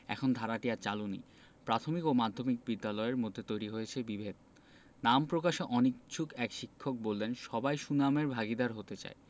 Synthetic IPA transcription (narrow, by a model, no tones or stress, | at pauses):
ɛ̰kʰond̪ʱaɾaʈiat͡ɕalunḭ | pɾat̪ʰomikomad̪ʱːomik̚bid̪ːalɔeeɾmod̪ʱːet̪ojɾiɦoet͡ɕʰebibʱed̪̚ | nampɾokaʃeʔɔnik̚t͡ɕʰukɛkʃikʰːok̚bolːenʃɔbajʃunameɾbʱaɡid̪aɾɦot̪et͡ɕa̰e